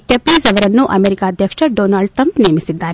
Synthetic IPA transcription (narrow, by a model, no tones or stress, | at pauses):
ʈepisɐʋɐɾɐnːuʔɐmeːɾikaːd̪ʱjɐkʂɐɖoːnaːɭɖʈɾɐmpnijɐmisid̪ːaːɾe